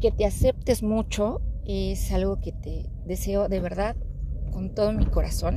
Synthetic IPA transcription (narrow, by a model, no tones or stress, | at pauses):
ke̞t̪e̞ase̞p̚t̪e̞zmut͡ʃo̞esalɣo̞ket̪eðe̞se̞o̞ðe̞β̞e̞ɾðað | ko̞nt̪o̞ðomiko̞ɾaso̞n